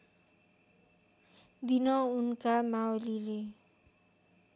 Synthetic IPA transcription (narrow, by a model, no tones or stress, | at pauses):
d̪inʌunkamawlile